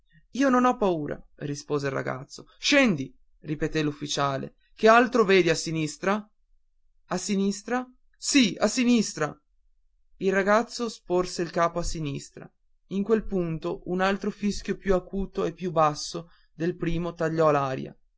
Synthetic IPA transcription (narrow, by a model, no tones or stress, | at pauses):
iːononɔpːauːɾa̰rispoːzeilra̰ɡa̰t̪sːo | ʃɛnd̪i | ripet̪elufːit͡ʃaːlḛ | kealt̪ɾoveːd̪iasːinist̪ɾa | asːinist̪ɾa | sia̰sinist̪ɾa | ilraɡat̪sːosporseilkaːpoasːinist̪ɾa̰ | iŋkwelpunt̪oʔunalt̪ɾofiskjopjuakuːt̪oepːjubasːo | d̪elpɾiːmot̪aʎːɔlaːɾja̰